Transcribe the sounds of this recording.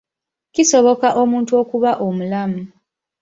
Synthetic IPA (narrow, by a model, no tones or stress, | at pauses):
ciso̞βo̞kaʔo̞muːntuo̞kuβaʔo̞mulamu